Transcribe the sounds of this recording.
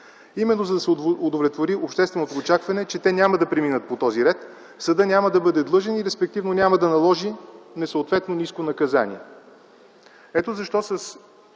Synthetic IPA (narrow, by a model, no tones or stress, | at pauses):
imɛnːozɐd̪ɐsʊd̪ovlʲɛt̪voɾiopʃt̪ɛst̪vɛnot̪oːt͡ʃakvɐnɛt͡ʃɛt̪ɛnʲaməd̪ɐpɾiminət̪̚pot̪ɔziɾɛt̪ | fsɐd̪ɤnʲaməd̪ɐbɤd̪ɛd̪lˠɤʒɛniɾɛspɛk̚t̪ivnonʲaməd̪ɐnɐlˠɔʒinɛsəʊt̪vɛt̪noniskonɐkɐza̰nʲḭɛ | ɛt̪ozɐʃt̪ɔsɐs